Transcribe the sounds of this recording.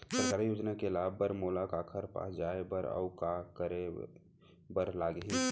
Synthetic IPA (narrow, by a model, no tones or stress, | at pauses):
səɾkaːɾjoːd͡ʒnakelaːbːəɾmoːlakaːkʰəɾpa̰ːd͡ʒaːebəɾɔ̰ʊkakəɾe | bəɾlaːɡɦi